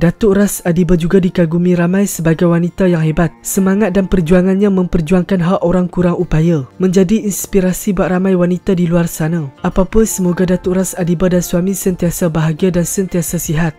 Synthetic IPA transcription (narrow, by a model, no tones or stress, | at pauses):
dat̪ʊʔrasadibad͡ʒuɡadikaɡumĩɾamãjsəbaɡajwanit̪ajaŋɦebat̪̚səmãŋat̪̚danpərd͡ʒuaŋanɲãmə̃mpərd͡ʒuaŋkanɦaʔoɾaŋkuɾaŋʔupajamə̃ɲd͡ʒadiinspiɾasibaʔramãjwanit̪adiluarsanaapapʊnsəmoɡadat̪ʊʔrasadibadansuamĩsənt̪iasabaɦaɡiadansənt̪iasasiɦat̪̚